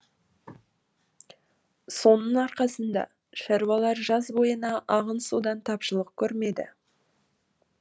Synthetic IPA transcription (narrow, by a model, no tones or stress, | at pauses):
so̞nəɴɑɾqɑsənd̪ɑ̰ | ʃɑɾuwɑlˠɑɾʒɑzbo̞jənɑʔɑʁənsud̪ɑnt̪ʰɑpʃəlˠəq̚kʲʰɵɾme̞d̪ɪ̰